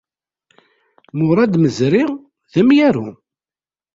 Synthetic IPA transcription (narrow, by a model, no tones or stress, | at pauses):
mʊɾˤɑd̪məzɾɪʁ | ðəmjæɾu